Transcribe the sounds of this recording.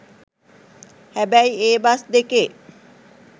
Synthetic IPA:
hæbæjeːbasd̪eke

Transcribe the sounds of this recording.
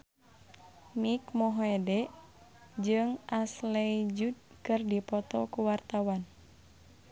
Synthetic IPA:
mikmɔɦoɛdɛʔ | d͡ʒɨŋʔaslɛid͡ʒud̪̚kɨrdipɔt̪ɔkuwart̪awan

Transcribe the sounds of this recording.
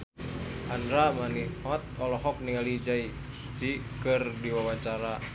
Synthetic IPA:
ʔanɾamaniɔt̪̚ɔlɔɦɔk̚niŋalid͡ʒai | t͡ʃikɨrdiwawat͡ʃaɾa

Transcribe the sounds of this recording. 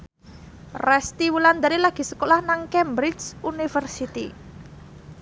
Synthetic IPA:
rɛst̪iwuland̪aɾilaɡ̥i̤səkolahnaŋkɛmbɾiunifərsit̪ḭ

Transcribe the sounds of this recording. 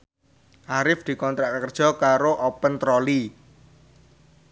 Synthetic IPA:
ʔaɾɪfd̪̥i̤kɔnt̪ɾaʔkəkərd̥ʒ̥ɔ̤kaɾoʔɔpənt̪ɾɔli

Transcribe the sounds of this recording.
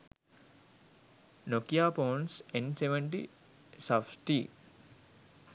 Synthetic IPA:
nokijaːpoːnsenseʋəɳʈi | safsʈi

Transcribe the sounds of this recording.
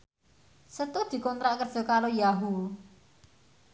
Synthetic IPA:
sət̪ud̪̥i̤kɔnt̪ɾaʔkər̥ʒ̥o̤kaɾojaɦu

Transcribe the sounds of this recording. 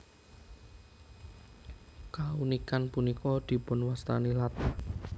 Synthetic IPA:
kaunikanpunikʰɔd̪̥i̤pʊnwast̪a̰nilat̪

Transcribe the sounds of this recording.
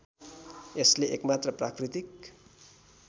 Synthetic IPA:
esliʔek̚mat̪rəprakrit̪ik̚

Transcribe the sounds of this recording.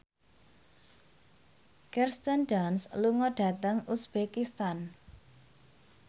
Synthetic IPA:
kɛrst̪əndansluŋɔɖ̥a̤t̪əŋusb̥ekist̪an

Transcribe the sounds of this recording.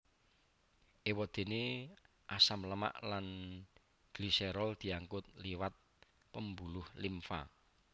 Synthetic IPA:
ʔewɔd̪̥e̤ne | ʔasamləma̰ʔlan | ɡ̥lisɛɾɔld̪̥i̤aŋkʊt̪̚liwat̪̚ | pəmbulʊhlimfa̰

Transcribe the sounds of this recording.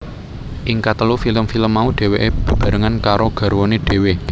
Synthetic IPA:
ʔɪŋkat̪əlufiləmfiləmːauɖ̪̥e̤weʔeb̥i̤b̥ä̤ɾaŋankaɾoɡ̥a̤ɾwoneɖ̪̥e̤we

